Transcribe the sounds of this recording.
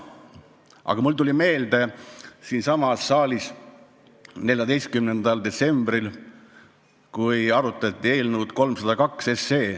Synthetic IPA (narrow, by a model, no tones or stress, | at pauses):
ʔɑ̰ɡ̥ɑmult̪ulʲime̞ːld̪̥e̞siːnsɑmɑsːɑːlʲis | ne̞lʲjɑd̪e̞jst̪kymnend̪̥ɑld̪e̞t̪se̞mbril | kujɑɾut̪ːˑɑt̪ʲˑːie̞ːlnuːd̪̥ko̞lmsɑd̪̥ɑkɑkse̞sːe̞ː